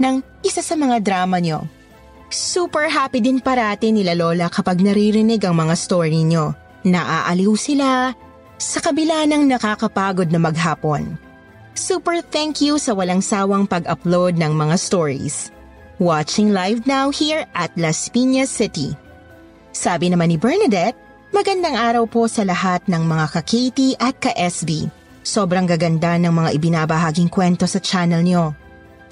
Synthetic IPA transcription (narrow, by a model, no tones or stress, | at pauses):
nɐŋʔɪsasɐmɐŋad̪ɾaːmɐɲo̞̰ | suːpɛɹɦaːpid̪ɪnpɐɾaːt̪ɪnɪlaloːlɐkɐpɐɡ̚nɐɾiɾɪnɪɡɐŋmɐŋast̪oɹiɲo̞ | nɐʔaʔɐliwsɪla | sɐkɐbɪlaːnɐŋnɐkaːkɐpaːɡo̞d̪̚nɐmɐɡɦaːpon | suːpɛɹθɛŋkjusɐwɐlaŋsaːwɐŋpɐɡʔɐplowd̪̚nɐŋmɐŋast̪oɹḭs | wat͡ʃɪŋlajvnawhiɹʔɐt̪̚lɐspinɐsɪt̪ḭ | saːbɪnɐmanibɛɹnɐd̪ɛt̪̚ | mɐɡɐnd̪aŋʔaːɾɐwpo̞sɐlɐɦat̪̚nɐŋmɐŋakɐkʰejt̪iʔɐt̪̚kɐʔɛsbi | so̞bɾɐŋɡɐɡɐnd̪anɐŋmɐŋaʔɪbɪnabɐɦaːɡɪŋkwɛnt̪o̞sɐt͡ʃanɛlno